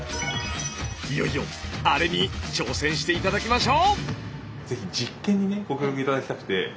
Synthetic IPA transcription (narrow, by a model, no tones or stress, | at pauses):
ijoijõ̰aɾe̞ɲ̟it͡ɕo̞ːsẽ̞ɰ̃ɕi̥t̪e̞it̪ad̪akʲimaɕo̞ː | d͡ze̞çid͡ʑikːẽ̞ɲ̟ːine̞ɡo̞kʲokʲokɯit̪ad̪akʲi̥t̪akɯ̟t̪e̞